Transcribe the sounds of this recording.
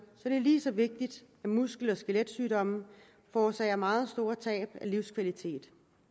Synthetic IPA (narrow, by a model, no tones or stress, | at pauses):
sɒ̽d̥e̝æliːsɒ̽ʋe̝ɡ̥̚d̥id̥ | æmusɡ̥l̩ɒ̽sɡ̥eled̥syːɾɒ̽mə | fɒːsɛːɪɐmɑ̈ːð̞̩ˠsd̥o̝ːɐt͡sʰɛ̰ːb̥æliʊskʰʋælit͡sʰe̝̰ːd̥